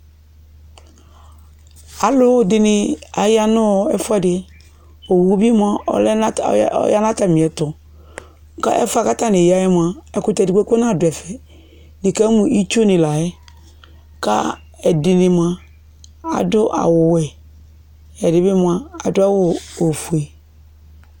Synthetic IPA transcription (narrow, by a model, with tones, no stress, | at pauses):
a˨lʊ˦˨dɪ˨nɪ˨a˨ja˦nʊ˦˨ɛ̰˨fɛ˦˨dɪ˨˦ | o˨wo˦bi˦m˦a̰˨l̰ja˦na˦ta˨mĩ˨ɛ˨tʊ˨ | ka̰˦ʔɛ̰˦fa˦˨ka˦ta˦ne˨ja˦jɛ˦m˨a˨ɛ˨kʊ˦tɛ˨dkʷe˦ko˦na˦˨dʊ˨ɛ˨fɛ˨ | nɪ˨ka˦mu˨ʔi˦t͡ʃo˦nɪ˨la˨jɛ˦ | ka̰˦ | ɛ˨dɪ˨nɪ˨m˨a˨ | a̰˨dʊ˦ʔa̰˨wʊ˨wɛ˨ | ɛ˨dɪ˨bɪ˦m˨a˨a˨dʊ˦a˦wʊ˨o˨fu˨e˨